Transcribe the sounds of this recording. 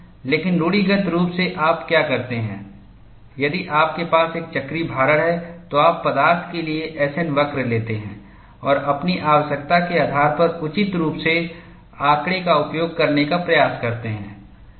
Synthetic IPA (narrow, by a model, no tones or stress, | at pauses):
leːkɪnɾuːɽiɡət̪ɾuːpseʔaːpkjaːkɐɾt̪eɦɛ̰̃ː | jɐd̪iʔaːp̚kepaːseːk̚t͡ʃɐkɾibʱaːɾəɽɦɛt̪oaːpːɐd̪aːɾt̪ʰkelieʔɛːsɛnʋɐkɾleːt̪eɦɛ̰̃ː | ɔːɾɐpniʔaːʋəʃək̚t̪akeaːd̪ʱaːɾpɐɾʊt͡ʃɪt̪ɾuːpse | aːkɽekaʊpjoːɡ̚kɐɾnekapɾɐjaːskɐɾt̪eɦɛ̰̃ː